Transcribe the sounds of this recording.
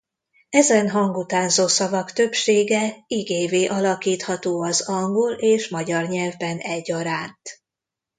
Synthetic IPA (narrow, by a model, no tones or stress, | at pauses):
ɛzɛnɦɒŋɡut̪aːnzoːsɒvɒkt̪ø̞pʃeːɡɛiɡeːveːʔɒlɒkiːt̪hɒt̪oːɒzɒŋɡoleːʃmɒɟɒrɲɛlvbɛnɛɟːɒɾaːnt̪